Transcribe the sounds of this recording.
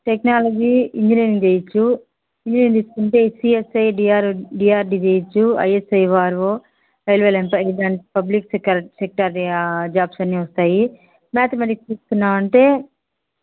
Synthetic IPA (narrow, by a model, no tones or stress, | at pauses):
ʈeknaːlɐd͡ʒiːiɲd͡ʒiniːɾiŋd͡ʒeːjɐt͡ʃːu | iɲd͡ʒiniːɾiŋt̪iːsu̥kuɳʈe̞ːsiesɐjɖiaːɾɖiːaːɾɖid͡ʒeːjɐt͡ʃːuɐ̰jesɐjʋaːɾʋo | ejlʋelempɐɖɐɳʈpɐbliksekɐɾsek̚ʈɐɾd͡ʒaːbsɐnːiʋɐst̪aːji | maːt̪ɐmɐʈikst͡ʃ̪iːst̪unːaːɾɐɳʈe̞ː